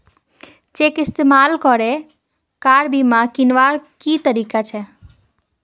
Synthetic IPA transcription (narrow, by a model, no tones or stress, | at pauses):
t͡ʃekɪst̪emalkɔɾe | kaɾbʱimãkinʋaɾkit̪əɾikat͡ʃʰɛ